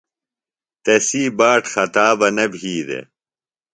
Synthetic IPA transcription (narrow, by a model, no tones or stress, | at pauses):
t̪ɐsiːbaːʈxɐt̪aːbɐnɐbʱiːd̪ḛ